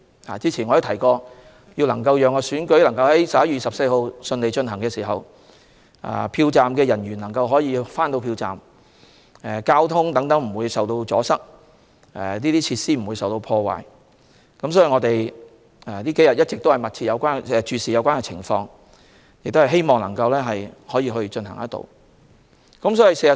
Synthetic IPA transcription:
ha̰ː˨˩t͡siː˥t͡sʰiː˨˩nɔ˨˧ji˧t̪ʰɐ˨˩jkɔː˧ | jiː˧wlɐ˨˩ŋkɐ˧wjœː˨ŋɔː˧syː˨˥nkɵ˨˥ɥlɐ˨˩ŋkɐ˧whɐ˨˦jsɐ˨p̚jɐ˥jyː˨˧sɐ˨p̚se˧jho˧wsɵ˧nle˨jt͡ʃɵ˧nɦɐ˨˩ŋkɛː˧siː˨˩ɦɐ˨w | a̰ː˨˧˩pʰiː˧wt͡saː˨mkɛː˧jɐ˨˩nɥyː˨˩nlɐ˨˩ŋkɐ˧wɦɔː˨˥jiː˨˧faː˥nt̪o˧wpʰiː˧wt͡sa̰ː˨m | ɛ˨˧kaː˥wt̪ʰʊ˥ŋt̪ɐ˨˥ŋt̪ɐ˨˥ŋm̩˨˩wu˨˧jsɐ˨wt̪o˧wt͡sɔ̰ː˨˥sɐ˥k̚ | ɛ˨˩niː˥t̪iː˥t͡sʰiː˧t̚siː˥m̩˨˩wuː˨˧jsɐ˨wt̪o˧wpʰɔː˧wa̰ː˨˩j | kɐ˨˥msɔː˨˥ji˨ŋɔː˨˧t̪e˨j | ɛː˨˩niː˥ke˨˥jɐ˨t̚jɐ˥t̚t͡sɪ˨k̚t̪o˥whɐ˨˩jmɐ˨t̚t͡sʰi˧t̚jɐ˨˧wkʷaː˥nɛ˧t͡ʃyː˧siː˨˩jɐ˧wkaː˥ŋkɛː˧t͡sʰɪ̰˨˩ŋfɔː˧ŋ | jɪ˨k̚t̪hɐ˨˩ɦe˥jmɔː˨ŋlɐ̰˨˩ŋkɐ˧wlɛː˥ɦɐ˨jhɔː˨˥jiː˧ɦɵ˧ɥt͡ʃɵ˧nɦɐ̰˨˩ŋjɐ˥t̪̚o̰˧w | kɐ˨˥msɔː˨˥ji˨˩se˧jɐ˨

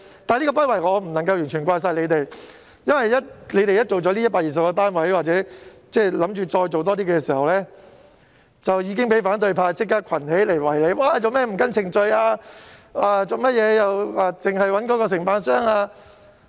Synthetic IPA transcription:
t̪aː˨˧nli˥kɔː˧pɐ˥wɐ˨˩jŋɔː˨˧m̩˨˩nɐ˨˩ŋkɐ˧wjyː˨˩nt͡ʃʰyː˨˩nkwaː˧js̬aː˧jle˨˧jt̪e˨j | jɐ˥nwɐ˨jːɐ˥t̚le˨˧jt̪e˨jɐ˥t̚t͡ʃo˨wt͡ʃɔː˨˧˥liː˥jɐ˥tpaː˧˨jiː˨˩sɐ˨pkɔ˧t̪aː˥nwɐ˨˥jwaː˨t̚t͡sɛː˨˥t͡sɛː˥lɐ˨˧˥mt͡ʃyː˨t͡ʃɔː˧jt͡so˨wt̪̬ɔː˥t̪iː˥kɛ˧s̬iː˨˩hɐ˨wlɛː˥ | t͡sɐ˨wjiː˨˧˥kɪ˥ŋpe˨˥jfaː˨˥nt̪̬ɵ˧ɥpʰaː˧t͡sɪ˥kːaː˥kʷʰɐ˨˩nhe˨˥jle˨˩jwɐ˨˩jle˨˧jwaː˨˧t͡sɐ˨wmɛː˥m̩˨˩kɐ˥nt͡sʰɪ˨˩ŋt͡sɵ˧jaː˧ | aː˧t͡so˨wmɐ˥t̚jɛː˨˧jɐ˨waː˧t͡sɪ˨ŋɦɐ˨jwɐ˨˥nkɔː˨˥kɔː˧s̬ɪ˨˩ŋpaː˧nsœː˥ŋaː˧

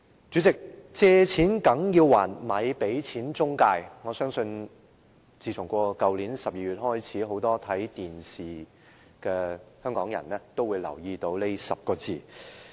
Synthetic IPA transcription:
t͡ʃyː˨˥t͡sɪ˨k̚t͡sɛː˧t͡sʰiː˨˥nkɐ˨˥ŋjiː˧wwaː˨˩nmɐ˨˧˥jpe˨˥jt͡sʰiː˨˥nt͡sʊ˥ŋkaː˧jŋɔː˨˧sœː˥ŋsɵ˧n | t͡siː˧˩t͡sʰʊ˨˩ŋkʷɔː˧kɐ˨˧wliː˨˥nsɐ˨p̚jiː˧ɥyː˨t̚hɔː˥jt͡sʰiː˨˥ɦo˨˥wt̪ɔː˥t̪ʰɐ˨˥jt̪iː˨nsiː˨˩ | kɛː˧hœː˥ŋkɔː˨˥ŋjɐ̰˨˩nlɛː˥t̪o˥wːu˨˧jlɐ̰˨˩wjiː˧t̪o˨˥wle˥jsɐ̰˨p̚kɔː˧t͡siː˨˧

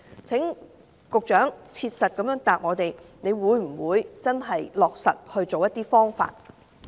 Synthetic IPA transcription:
t͡sʰɪ˨˥ŋ | kʊ˨k̚t͡ʃœː˨˥ŋt͡sʰiː˧t̚sɐ˨t̚kɐ˨˥mjœː˨˥ŋt̪aː˨p̚ŋɔː˨˧t̪e˨jne˨˧jwuː˨˧jm̩˨˩wuː˨˧jt͡sɐ˥nɦɐ˨jlɔː˨k̚sɐ̰˨t̚hɵ˧ɥt͡so˨wjɐ˥t̚t̪iː˥fɔː˥ŋfa̰ː˧t̚

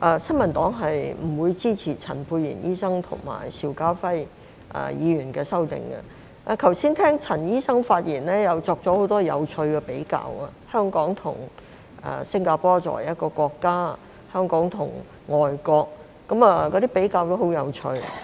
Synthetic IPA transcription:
ʔɐ˧sɐ˥nmɐ˨˩nt̪ɔː˨˥ŋɦɐ˨jm̩˨˩wuː˨˧jt͡siː˥t͡sʰiː˨˩t͡sʰɐ˨˩npʰuː˧jːḭ˨˩njiː˥sɐ˥ŋt̪ʰʊ̰˨˩ŋma̰ː˨˩jsiː˧wkaː˥fɐ˥j | ʔɐ̰˨jiː˨˧ɥyː˨˩nkɛː˧sɐ˥wt̪ɪ̰˨ŋɐ̰˧ | ʔa˨˧kʰɐ˨˩wsiː˥nt̪ʰɛː˥ŋt͡sʰɐ˨˩njiː˥sɐ˥ŋfaː˧t̚jiː˨˩nlɛː˥jɐ˨˧wt͡sɔː˧k̚t͡sɔ˨˧˥ho˨˥wt̪ɔː˥jɐ̰˨˧wt͡ʃʰɵ˧ɥkɛː˧pe˨˥jka̰ː˧wɐ˧hœː˥ŋkɔː˨˥ŋt̪ʰʊ˨˩ŋ | ɐ̰˨sɪ˥ŋkaː˧pɔː˥t͡sɔ̰ː˨˩jjɐ˥t̚kɔː˧kɔː˧kːaː˥ | hœː˥ŋkɔː˨˥ŋt̪ʰʊ˨˩ŋ | ŋɔː˨jkɔː˧k̚ː | ɐ˨˥mɐ˨kɔː˧ɾi˥pe˨˥jkaː˧wt̪o˥ho˨˥wjɐ˨˧wt͡ʃʰɵ˧ɥ

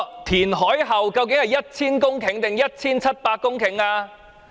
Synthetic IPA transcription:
t̪ʰiː˨˩nɦɔː˨˥jɦɐ˨˩wkɐ˧wkɪ˨˥ŋhɐ˨jɐ˥t̚t͡sʰiː˥nkʊ˥ŋkʰɪ˨˥ŋt̪ɪ˨ŋjɐ˥t̚t͡sʰiː˥nt͡sʰɐ˥t̚paː˧t̚kːʊ˥ŋkʰɪ˨˩ŋaː˧

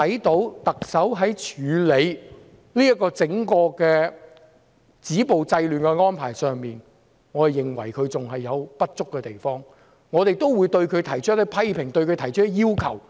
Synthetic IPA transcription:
ɐ˨˥jt̪o˨˥wt̪ɐ˨k̚sɐ˨˥wɦɐ˨˥jt͡ʃʰyː˨˧le˨˧j | liː˥jɐ˥kːɔː˧t͡sɪ˨˥ŋkɔː˧kɛː˧ | t͡siː˨˥po˨wt͡sɐ˧jlyː˨nkɛ˧ŋɔː˥npʰaː˨˩jsœː˨ŋmiː˨n | ŋɔː˨˧ɐ˨jɪ˨˩ŋwɐ̰˨˩jkʰɵ˨˧ɥt͡sʊ˨ŋɦɐ˨jːɐ˨˧wpɐ˥t̚t͡sʊ˥kːɛː˧t̪e˨jfɔː˥ŋ | ŋɔː˨˧t̪e˨jt̪o˥wwuː˨˧jt̪ɵ˧ɥkʰɵ˨˧ɥt̪ʰɐ˨˩jt͡ʃʰːt̪i˥pʰɐ˥jpʰɪ˨˩ŋt̪ɵ˧ɥkʰɵ˧t̪ʰɐ˨˩jt͡ʃʰɵ˥ɛ˧jiː˥wkʰɐ̰˨˩w

